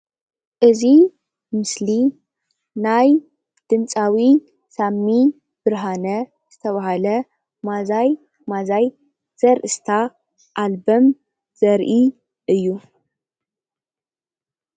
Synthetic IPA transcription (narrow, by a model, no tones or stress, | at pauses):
ʔɨzi | mɨsli | naj | d̪̥ɨnt͡sʼawi | samːi | b̥ɨɾɦanɐ | z̥ɨt̪ʰɐβahalɐ | mazaj | mazaj | z̥ɐɾʔɨst̪ʰa | ʔalbɐm | z̥ɐɾʔi | ʔɨjːu